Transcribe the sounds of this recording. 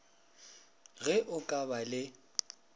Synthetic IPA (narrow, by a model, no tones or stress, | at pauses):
ɣɛʔʊkʼabalɪ